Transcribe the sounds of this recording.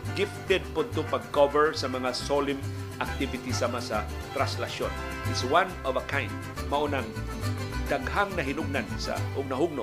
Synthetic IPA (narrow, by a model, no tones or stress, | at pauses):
ɡɪft̪ɛd̪̚pod̪̚t̪ʊpaɡ̚kɔvəɹsɐmɐŋasolɪm | ʔak̚t̪ɪvɪt̪isamasa | t̪ɾanslaʃjon | ɪswãnɔvɐkʰãj̃nd̪̚ | maʔonaŋ | d̪aɡhaŋnɐɦinʊɡ̚nansa̰ʔʊɡ̚nɐɦʊɡ̚nʊ